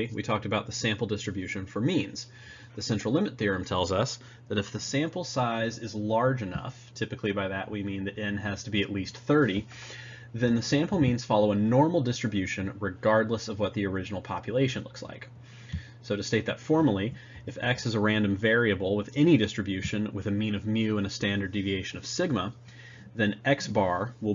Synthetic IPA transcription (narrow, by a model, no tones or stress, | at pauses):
wʔḭtʰɔk̚tɨbaʊt̪̚ðəsæ̃mpl̩ˠdɪstɹ̥ɨbjʉʃɨ̃nfə˞mĩnz̥ | ðɨsɛ̃nt͡ʃɹ̥l̩ˠlɪ̃mɨt̪̚θɪɹɨ̃mtʰɛlˠzʌs | ðɨɾɨfðɨsæ̃mpl̩ˠsaɪzɪzlɑɹd͡ʒɨnʌ̰ftʰɪpɨkʰlibaɪðɨʔwimĩnðɨɾɛ̃nɨz̥tʰəbiɨʔˡlist̪θɜ˞ɾi | ðɨ̃nðɨsæ̃mpl̩ˠmĩnz̥fɑlˠoʊɨnɔɹml̩ˠdɪstɹ̥ɨbjʉʃɨ̃nɹɨɡɑɹdˡləsʌvwʌt̪̚ðiə˞ɪd͡ʒɨn̩l̩ˠpʰɑpʰjɨleɪʃɨ̃nlʊksla̰ɪk | soʊɾɨsteɪt̪̚ðɨtfɔɹmə˞l̩ˠi | ɨfɛksɨzəɹæ̃ndɨ̃ɱvɛɹiɨbl̩ˠwəðɛñidɪstɹ̥ɨbjʉʃɨ̃nwɨ̰ðɨmĩñʌvmjʉə̃nɨstæ̃ndə˞divieɪʃɨ̃nʌv̥sɪɡ̚mə | ðɨ̃nʔɛksb̥ɑɹwəlˠ